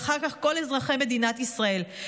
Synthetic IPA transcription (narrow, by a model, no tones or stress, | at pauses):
χaʁkaχko̞lezʁaχeme̞d̪inat̪isʁae̞l